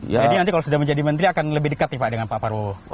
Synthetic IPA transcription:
jd͡ʒadinant̪ikalos̬udahməɲd͡ʒadimənt̪ɾiakanləbɪhdəkat̪ipaʔdəŋanpapaɾo

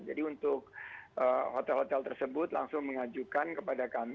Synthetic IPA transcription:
d͡ʒadiunt̪ʊk̚ʔəhot̪ɛlhot̪ɛlt̪ərsəbʊt̪la̰ŋsʊŋməŋad͡ʒukankəpadakam

